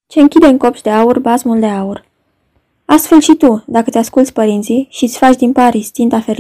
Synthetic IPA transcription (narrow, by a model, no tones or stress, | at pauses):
t͡ʃe̞ɨŋkʲid̪e̞ɨŋko̞pʃd̪e̞aurbazmuld̪e̞aur | ast̪fe̞lʃit̪ud̪akət̪easkult̪sʲpəɾint̪siʃit̪sʲfat͡ʃd̪inpaɾisʲt̪int̪afeɾ